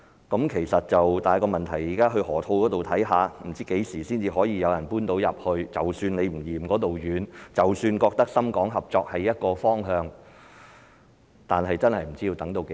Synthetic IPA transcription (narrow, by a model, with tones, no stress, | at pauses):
kɐ˨˥mkʰe˨˩jsɐ˨t̚t͡sɐ˨wt̪aː˨jkɔː˧mɐ˨nt̪ʰɐ˨˩jiː˨˩kaː˥ɦɵ˧hɔː˨˩t̪ʰo˧wkɔː˨˥t̪o˨wt̪ʰɐ˨˥jɦaː˨˧m̩˨˩t͡siː˥ke˨˥jsiː˨˩siː˥nt͡siː˧ɦɔː˨˥jiː˧jɐ˨˧wjɐ˨˩npuː˥nt̪o˨˥wjɐ˨p̚hɵ˧ɥt͡sɐ˨wsyː˧ne˨˧jm̩˨˩jiː˨˩mkɔː˨˥t̪o˨wjyː˨˧nt͡sɐ˨wsyː˧nkɔː˧k̚t̪ɐ˥k̚sɐ˥mkɔː˨˥ŋɦɐ˨p̚t͡sɔː˧k̚hɐ˨jːɐ˥t̚kɔː˧fɔː˥ŋɦœː˧ŋ | t̪aː˨nɦɐ˨jt͡sɐ˥nhɐ˨jm̩˨˩t͡siː˥jiː˧t̪ɐ˨˥ŋt̪o˧wke˨˧